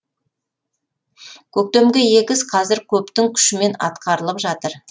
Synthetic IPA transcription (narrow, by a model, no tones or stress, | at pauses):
kʲʰɵk̚t̪e̞mɡʲeje̞kʲɪzqʰɑzɪɾkʲʰɵpt̪ɪŋkʲʰʏ̥ʃɪme̞nɑ̰t̪qɑɾəlˠəpʒɑt̪əɾ